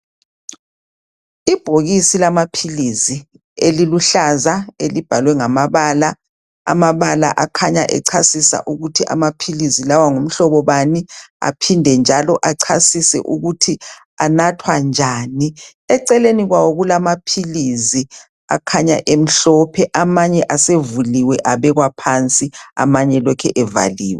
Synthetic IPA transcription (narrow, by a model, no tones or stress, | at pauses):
ib̥ʱoɣisilamapʰilizi | eliluɬazaelib̥ʱalwɛŋamaβaːla | a̰maβala̰ʔakʰaɲaʔɛ̰ǀʰasisa̰ʔuɣutʰiʔa̰mapʰilizilawaŋum̩ɬɔβɔβania̰pʰindʱɛnd͡ʒʱalɔʔaǀʰasisɛ̰ʔuɣutʰi | anatʰwand͡ʒʱaːni | ɛǀɛleniɣwawoɣulamapʰilizi | a̰kʰaɲa̰ʔem̩ɬɔpʰɛʔamaɲɛʔasevuliwɛʔaβɛɣwapʰant͡sʼia̰maɲɛlɔkʰɛ̰ʔɛva̰liːwɛ